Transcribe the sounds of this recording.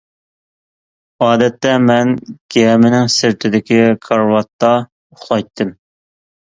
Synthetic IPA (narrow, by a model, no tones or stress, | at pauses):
ɑːd̪ɛt̪ːɛmɛnɡ̥ʲɛmɪnɪŋsɪɾt̪ʰɪd̪ɪkʲʰiqʰɑɾwɑt̪ːɑ | ʊχlˠɑjt̪ʰːɨm